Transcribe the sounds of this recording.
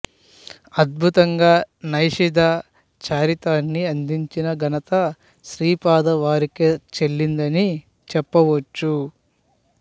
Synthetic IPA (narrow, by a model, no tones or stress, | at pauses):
ɐd̪̚bʱut̪ɐŋɡaːnɐjʂid̪ʱa | t͡ʃaːɾit̪aːnːiɐnd̪iɲt͡ʃinɐɡɐnɐt̪ɐ | ʃɾiːpaːd̪ɐʋaːɾiket͡ʃelːind̪ɐni | t͡ʃɛpːɐʋɐt͡ʃːu